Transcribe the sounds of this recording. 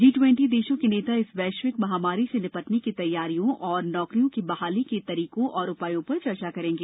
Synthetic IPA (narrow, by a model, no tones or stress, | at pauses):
d͡ʒiːʈwɛ̃ɳʈid̪eːʃõkeneːt̪aɪsʋɛːʃwɪkmɐɦaːmaːɾisenɪpɐʈnekit̪ɐjːaːɾijõʔɔːɾnɔːkɾijõkibɐɦaːliket̪ɐɾiːkõʔɔːɾʊpaːjõpɐɾt͡ʃɐɾt͡ʃakɐɾẽːŋɡeː